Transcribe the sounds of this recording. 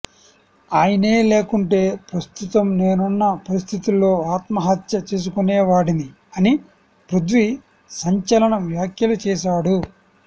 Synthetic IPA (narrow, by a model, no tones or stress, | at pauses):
aːjɐne̞ːle̞ːkuɳʈe̞ːpɾɐst̪ut̪ɐmne̞ːnunːɐpɐɾist̪ʰit̪ulːo̞ːaːt̪mɐɦɐt̪jɐt͡ʃeːs̬ukunɛːʋaːɽind̪i | ɐni | pɾud̪ʋi | sɐɲt͡ʃɐlɐɳɐʋjaːkjɐlut͡ʃɛːʃ̬aːɽu